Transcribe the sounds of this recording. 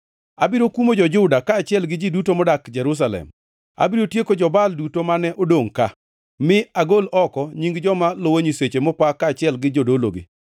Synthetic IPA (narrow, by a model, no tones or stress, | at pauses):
abiɾokwumod͡ʒɔd͡ʒʊdakaːt͡ʃɪɛlɡɪd͡ʒidutomɔdakd͡ʒɛɾus̬alɛ̰m | a̰biɾotjekod͡ʒɔbaldutomanɛʔodoŋka | mɪaɡolɔkɔɲiŋɡd͡ʒɔmalowoɲiset͡ʃemɔpakːaːt͡ʃɪɛlɡɪd͡ʒodolo̰ɡḭ